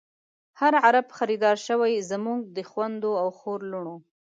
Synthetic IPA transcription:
haɾʕaɾabxaɾid̪ɑɾʃəwajzəmuɡ̚d̪əxwand̪oawxoɾluɳ̃o

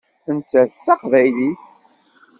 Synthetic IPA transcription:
ənt͡sːæθt͡sːɑqvæjliθ

